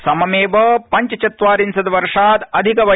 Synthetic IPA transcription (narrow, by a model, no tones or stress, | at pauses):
sɐmɐmeːʋɐpɐɲt͡ʃɐt͡ʃɐt̪ʋaːɾinsɐd̪ɐʋɐɾʂaːt̪ɐd̪ʱikɐʋɐ